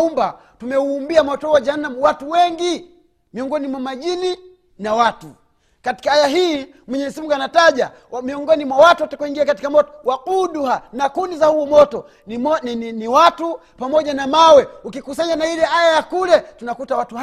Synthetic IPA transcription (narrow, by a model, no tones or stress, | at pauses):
umba | tumɛuːmbiamɔtɔhwad͡ʒahanːamuwatuwɛŋɡi | miɔŋɡɔnimwamaʄini | nawatu | kati̥kaajaɦiː | mwɛɲɛzimuɡanataʄa | miɔŋɡɔnimwawatuwatakuiŋɡiakati̥kamɔtɔ̥wakuɗuhanakundizahuɔmɔtɔ | ɔniniwatu | pamɔʄanamawɛukikusaɲanailɛajajakulɛtunakutawatu